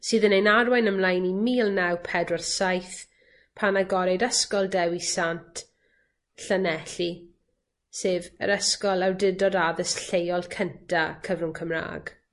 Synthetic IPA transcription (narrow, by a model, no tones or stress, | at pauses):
sɨːðənejnarwajnəmlˠajnimiːlˠnawpʰɛdwɔrsajθ | pʰanaɡɔɾɛdəskɔlˠdɛwisantʰ | ɬənɛɬi | seːvə̰ɾəskɔlˠawdɪdɔdaðəsɬejɔlˠkʰəntʰakʰəvrʊŋkʰəmra̰ːɡ̥